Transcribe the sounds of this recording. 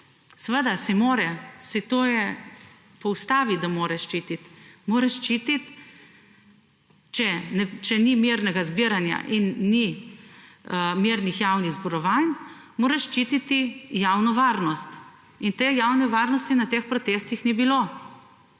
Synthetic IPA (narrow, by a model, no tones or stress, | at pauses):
sʋəd̪asimoːɾɛsit̪oːjɛ | pɔwst̪aːʋid̪amoːɾɛʃt͡ʃiːt̪it̪moːɾɛʃt͡ʃit̪it̪ | t͡ʃɛnɛt͡ʃɛnimiɾnɛɡazbiɾanja̰ʔinːi | miɾnixjaːwniɣzbɔɾɔʋan | moːɾɛʃt͡ʃiːt̪it̪ijawnɔʋaːɾnɔst̪ | int̪ejaːwnɛʋaːɾnɔst̪inat̪eːxpɾɔt̪eːst̪ixnibilo